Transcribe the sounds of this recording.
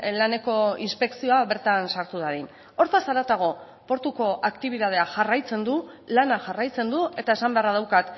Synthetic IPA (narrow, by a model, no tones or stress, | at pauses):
lane̞ko̞inspe̞ksio̞aβe̞ɾt̪ansaɾt̪uðaɾin | o̞ɾt̪asaɾat̪aɣ̞o̞ | po̞ɾt̪uko̞ʔakt̪iβ̞iðað̞e̞aʝarajt͡se̞nd̪u | lanaʝarajt͡se̞nd̪ue̞t̪aesambe̞arað̞awkat̪